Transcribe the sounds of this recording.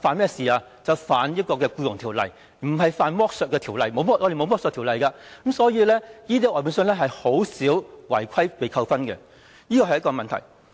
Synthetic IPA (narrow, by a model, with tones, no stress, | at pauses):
faː˨˧nmɛː˥siː˨˩aː˧ | t͡sɐ˨wfaː˨njɐ˥t̚kɔː˧kɛː˧kuː˧jʊ˨˩ŋt̪ʰiː˨˩wlɐ̰˨j | m̩˨˩ɦɐ˨jfaː˨˧nmɔː˥k̚sœː˨t̚kːɛː˧t̪ʰiː˨˩wlɐ˨jmo˨˧wmɔː˥ʔɔ˧e˨jmo˨˧wmɔ˥ksœː˨t̪ʰiː˨˩wlɐ˨˩jkaː˧kɐ˨˥msɔː˨˧˥jiː˧lɛː˥jiː˥t̪̬iː˥ʔɔː˨jpuː˨˧˥ns̬ɵ˧nlɛː˥ɦɐ˨jho˨˥wsiː˨˥wwɐ˨˩jkʰɐ˥jpe˨jkʰɐ˧wfɐ˥nkɛ̰˧ | jiː˥kɔ˧ɐ˨jɐ˥kɔː˧mɐ˨nt̪ʰɐ̰˨˩j